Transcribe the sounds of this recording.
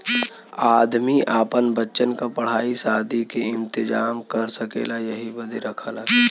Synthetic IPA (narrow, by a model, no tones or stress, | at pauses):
aːd̪miʔaːpənbətːʃənkapɐɽ̤aːisaːd̪ʱikeɪ̃nt̪ɪd͡ʒaːmkɐɾsəkḛːlajɐɦibɐd̪eɾɐkʰaːlaː